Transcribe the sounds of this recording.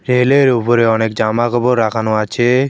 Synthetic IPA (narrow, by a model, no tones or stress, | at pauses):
ɾeleɾupɔɾeɔnek̚d͡ʒamakʰɔbɔɾːakʰanuat͡ʃʰe